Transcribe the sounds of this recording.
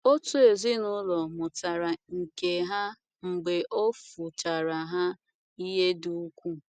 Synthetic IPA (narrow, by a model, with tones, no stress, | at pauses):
o˦tu˦e˨zi˦nʊ˦lɔ˨mʊ˨ta˨ɾa˨ŋ̩˨ke˨ɦa˦ | ŋ͡m̩˨ɡ͡be˨ʔo˦fu˨t͡ʃa˨ɾa˨ɦa˦ | i˦ɦe˦du˦u˦kʷu˦